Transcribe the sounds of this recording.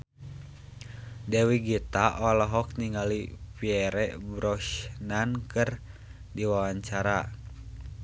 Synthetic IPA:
dɛwiɡit̪aʔɔlɔɦɔk̚niŋalipiɛɾɛbɾɔʃnankɨr | diwawaɲt͡ʃaɾa

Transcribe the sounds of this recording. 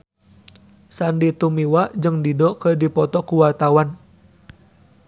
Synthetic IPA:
sandit̪umiwad͡ʒɨŋdidɔkədipɔt̪ɔkuwart̪awan

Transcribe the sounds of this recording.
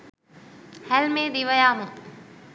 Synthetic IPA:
hælmeːd̪iʋəjaːmu

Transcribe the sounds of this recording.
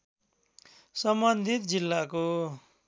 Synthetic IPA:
sʌmbʌnd̪ʱit̪̚d͡zilːako

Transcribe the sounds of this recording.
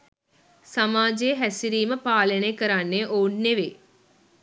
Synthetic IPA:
sɐmaːd͡ʑejeɦæsiɾiːməpaːlɐnekɐɾanːeʔoːnːeʋeː

